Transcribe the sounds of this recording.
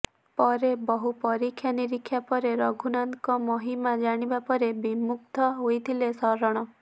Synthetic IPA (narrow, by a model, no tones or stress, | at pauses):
pɔɾebɔɦupɔɾikʰjaniɾikʰːjapɔɾeɾɔɡʱunankɔmɔɦimad͡ʒaɽ̃ibapɔɾebimuk̚t̪ʰɔɦojt̪ʰilesɔɾɔɽ̃ɔ